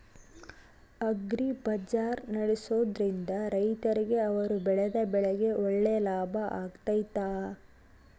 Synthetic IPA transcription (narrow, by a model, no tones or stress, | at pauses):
ɐɡɾibɐd͡ʒaːɾnɐɽesoːd̪ɾind̪ɐɾɐjt̪ɐɾiɡe̞ɐʋɐɾubɛɭɛd̪ɐbɛɭɛɡe̞ɔɭːeːlaːbʱɐʔaːɡt̪ɐjt̪aː